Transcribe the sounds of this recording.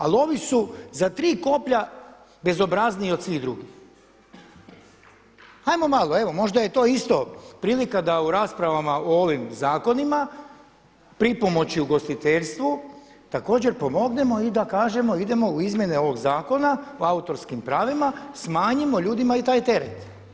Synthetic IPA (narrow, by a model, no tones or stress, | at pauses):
a̰lo̞ʋisuzat̪ɾiːko̞pʎa | be̞zo̞bɾazniio̞d̪sʋiɣd̪ɾuɡix | ajmo̞malo̞e̞ʋo̞mo̞ʒd̪aje̞t̪o̞ːist̪o̞pɾiːlikad̪auɾaːspɾaʋamaoo̞ʋimzaːko̞nima | pɾipo̞mo̞t͡ɕiuɡo̞st̪it̪eʎst̪ʋu | t̪ako̞ːd͡ʑe̞ɾpo̞mo̞ɡne̞mo̞id̪akaːʒe̞mo̞id̪e̞mo̞uizmje̞neo̞ʋo̞ɡzaːko̞naoaut̪o̞ɾskimpɾaːʋimasmaːɲimo̞ʎuːd̪imait̪aːjt̪e̞ɾḛt̪